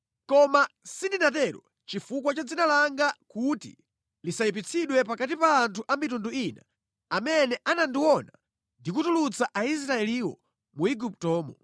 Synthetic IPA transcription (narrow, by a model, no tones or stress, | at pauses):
kɔmasindinatɛɾɔ̰ | t͡ʃifuk̬wat͡ʃad͡zinalaŋɡakutḭ | lisaip̬it͡sʰiɗwɛpakat̬ipaːntʰuʔamitunduina | amɛnɛʔanandiwɔna | ndikutulut͡saʔais̬ɾaɛliwɔ̰ | muiɡup̚tɔːmɔ